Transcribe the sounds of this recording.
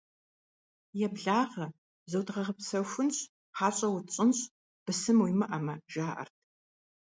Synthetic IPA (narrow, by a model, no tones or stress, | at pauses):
jɛbɮaːʁɐ | zɐwdʁɐʁəpsɐfʷʊnɕ | ħaːɕʼɐwʊt͡ɕʼɪnɕʼ | b̥ɨsɨmwimɨʔɐmɐʒaːʔɐ̰rtʰ